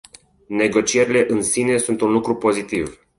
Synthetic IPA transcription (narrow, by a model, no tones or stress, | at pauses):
ne̞ɡo̞t͡ʃie̞ɾile̞ʔɨnsine̞sunt̪unlukɾupo̞zit̪iv